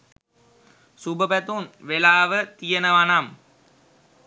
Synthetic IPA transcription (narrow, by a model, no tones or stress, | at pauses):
subəpæt̪unʋelaːʋət̪ijənəʋanam